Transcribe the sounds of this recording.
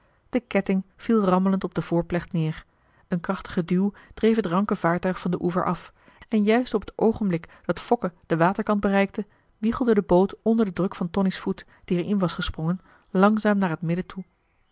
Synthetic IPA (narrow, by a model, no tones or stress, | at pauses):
d̥əkɛtɪŋv̥ilˠrɑmələntɔb̚dəvʊːɹplɛχtnɪːɹ | ənkrɑχtə̥χədywˠd̥rejfɦətrɑŋkəv̥aːɹtœɥχfɑndəʔuvə̰ɹʔɑf | ɛnjœɥstɔpə̥towχənblɪkd̥ɑtfɔkəd̥əʋaːtəɹkɑnd̚bərɛjk̚tə | ʋiχəlˠdədəbowtɔndəɹdədrɵkfɑntɔnisfut | d̥iɛɹɪnʋɑsχəsprɔŋən | lɑŋzaːmnaːɹɦətmɪdətʰu